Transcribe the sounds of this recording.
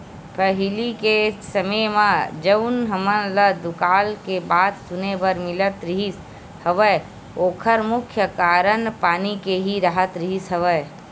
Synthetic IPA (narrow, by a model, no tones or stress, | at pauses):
pəɦɪlikesəməjmãd͡ʒəʊnɦəmələd̪ʊkaːlkebaːd̪sʊnebəɾmɪlət̪ɾɪɦis | həʋəj | oːkʰəɾmʊkʰjəkaːɾənpaːnikeɦiɾəɦət̪ɾɪɦisɦəʋəj